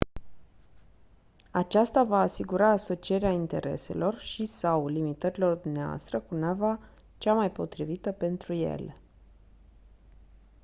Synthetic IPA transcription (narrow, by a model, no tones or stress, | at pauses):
at͡ʃast̪avaːsiɡuɾaːso̞t͡ʃie̞ɾeaint̪e̞̰ɾe̞̰se̞̰lo̞rʃisawlimit̪əɾilo̞rd̪umneaoa̰st̪ɾəkunava | t͡ʃamajpo̞t̪ɾivit̪əpe̞nt̪ɾuje̞̰le